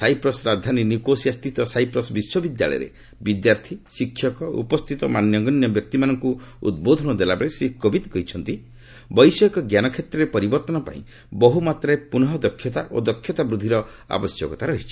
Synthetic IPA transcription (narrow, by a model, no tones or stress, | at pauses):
sajpɾɔsɾad̪ʱaninikosiast̪it̪ɔsajpɾɔsbiswɔbid̪ja̰ɭɔ̰j̰ɾḛ | bid̪jaɾt̪ʰisikʰːjɔkɔṵpɔst̪ʰit̪ɔmanjɔɡɔnjɔbjɔk̚t̪imanɔŋkuṵd̪̚bod̪ʱɔnɔd̪elabeɭesikɔbit̪kɔit͡ʃʰɔnt̪i | bɔjsɔkɔɡjanɔkʰjet̪ɾɔɾepɔɾibɔɾt̪ɔnɔpa̰ḭ̃ | bɔɦumat̪ɾepunɔɦɔd̪ɔkʰːjɔt̪aʔod̪ɔkʰjɔt̪abɾud̪ʱiɾɔ | a̰bɔsjɔkɔt̪aɾɔɦit͡ʃʰi̥